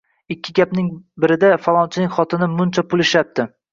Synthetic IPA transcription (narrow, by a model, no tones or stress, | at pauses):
ɪkʲʰːɪɡʲapnɪŋbɪɾɪd̪afalˠɒnt͡ʃʰɪnɪŋʲχɒt̪ʰɪnɪmʊnt͡ʃʰapʰʊlˠɪʃap̚t̪ɪ